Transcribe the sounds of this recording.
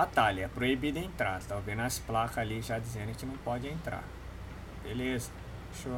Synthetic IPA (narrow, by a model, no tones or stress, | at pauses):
bat̪alɐɛpɾoibid̪ɐẽnt̪ɾad̪t̪awveznɐsplakaliʒad͡ʒizẽnd̪ʊkɪnɐ̃w̃pɔd͡ʒɪẽnt̪ɾa̰ɾ | belezɐ | ʃo